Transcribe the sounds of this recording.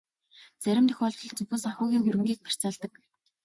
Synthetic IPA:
t͡sæɾʲɪ̆mt̪ʰɵ̥xʲɔɮt͡ɕɞ̆ɮt͡sɵpŭsaxuːɣʲiːŋxɵɾɘ̆ŋɡiːk̚pæ̥r̥t͡saːɮt̪ə̆k

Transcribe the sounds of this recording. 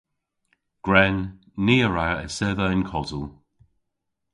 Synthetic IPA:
ɡ̥ɹɛnː | iːəɹaə̰sɛðəɪnkʰɔzəlˠ

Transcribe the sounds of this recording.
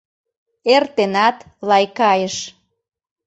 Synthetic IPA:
ert̪enɑt̪lɑjkɑjəʃ

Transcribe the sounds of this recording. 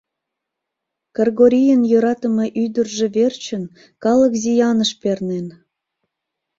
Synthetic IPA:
kərɣoɾʲijənjøɾɑt̪ə̆mɤʔyd̪ərʒĕβert͡ɕə̆n | kɑləkzijɑnəʃpernen

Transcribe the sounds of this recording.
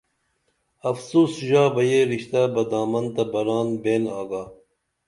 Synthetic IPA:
ɐfsuːsʒaːbɐjeɾiɕt̪abɐd̪aːmɐnt̪ɐbɐɾaːnbeːnaːɡaː

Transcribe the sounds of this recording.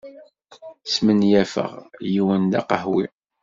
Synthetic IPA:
smənjæfə̰ʁjiwənd̪ɑ̰qəhwḭ

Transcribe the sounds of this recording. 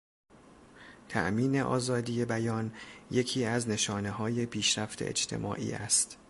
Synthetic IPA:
t̪ʰæ̰ʔmiːne̞ʔɒ̰ːzɒːd̪iːje̞bæjɒːnje̞cʰiːæzne̞ʃɒːne̞ɦɒːje̞pʰiːʃɾæft̪ʰḛḛd͡ʒt̪ʰe̞̰mʔɒ̰ːʔḭːæ̰st̪

